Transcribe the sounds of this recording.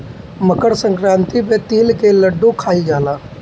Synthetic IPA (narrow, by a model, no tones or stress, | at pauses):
məkəɽsə̃ŋkɾãːnt̪ipẽt̪iːlkeləɖːũkʰaːid͡ʒaːlaː